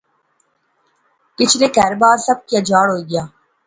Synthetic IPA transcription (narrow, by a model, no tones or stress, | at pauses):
kɪt͡ʃʰɾekɛːɾbaːɾsəb̚kijad͡ʒaːɽɦoːiːɡɪjaː